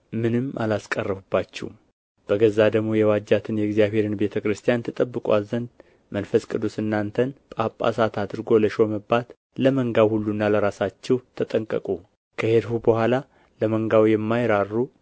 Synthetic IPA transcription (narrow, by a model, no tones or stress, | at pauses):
mɨnɨmʔa̰laskʼərːəbubːat͡ʃːɛ̰w | b̥əɡəzːad̪əɡmojɛwad͡ʒːat̪ʰɨnjɛɡzijaβhe̞ɾɨnbe̞t̪ʰəkɾɨst̪ʰijant̪ʰɨt̪ʼəbːɨkʼwa̰lzənd̪ | mənfəskʼɨd̪ːusɨnːant̪ʰənpʼapʼːa̰sat̪ʰad̪ɨɾɡo̞ləʃo̞məbːat̪ | ləməŋɡawhulːunːaləɾasat͡ʃːɛwt̪ʰət̪ʼəŋkʼə̰kʼu | kʰəhed̪hubəhʷala | ləməŋɡawjɛmːajɾarːu